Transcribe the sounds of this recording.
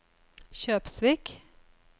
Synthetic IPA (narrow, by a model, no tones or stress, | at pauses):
ɕøːpsʋɪk